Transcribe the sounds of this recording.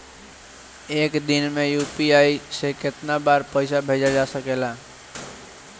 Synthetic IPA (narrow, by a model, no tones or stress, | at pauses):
eːkd̪ɪnmẽjuːpiaːisekɪt̪nabaːɾpəɪsabʱeːd͡ʒad͡ʒasəkela